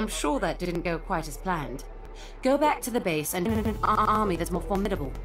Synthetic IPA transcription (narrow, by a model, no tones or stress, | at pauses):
ɪ̃mʃʊɹðɨt̚d̥ɪdⁿn̩ɡ̥oʊkʰw̥aɪɾɨz̥pʰl̥æ̃nd̥ | ɡ̥oʊbæk̚tʰɨðɨbeɪsɨ̃nɨ̃nɨ̃ɨ̃ñnɑɹmiðɨtsmɔɹfɔɹmɪɾɨbəlˠ